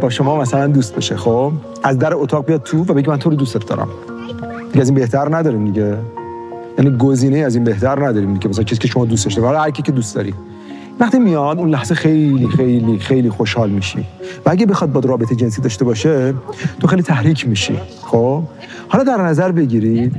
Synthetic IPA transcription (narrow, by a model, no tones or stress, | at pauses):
bɒːʃo̞mɒːmæsælænd̪uːst̪̚beʃexob | ʔæzd̪æɾeot̪ʰɒːɣbijɒd̪̚t̪ʰuvæbe̞ɟimænt̪ʰoɾod̪ust̪et̪d̪ɒ̰ːɾæ̰m | d̪iɡeæziːnbe̞ht̪æɾnæd̪ɒːɾiːmd̪iɟe | jæːniːɡoziːneiæziːnbe̞ht̪ʰæɾnæd̪ɒːɾiːmd̪iɟmæs̬ælæŋcʰesiːkʰeʃomɒːd̪ustd̪ɒʃt̪ehɒlhæɾkʲʰicʰed̪uːst̪d̪ɒ̰ːɾi | væχt̪ʰimijɒd̪unlæhz̥exejliːxejliːxejliːxoʃhɒːlmiʃḭvææɟebe̞xɒːd̪̚bɒːd̪ɾɒːbet̪ʰed͡ʒe̞ns̬iːd̪ɒːʃt̪e̞bɒːʃet̪ʰoxejlit̪ʰæhɾiːcʰmiːʃḭxob | hɒlɒd̪æɾnæzæɾbe̞ɟiːɾid̪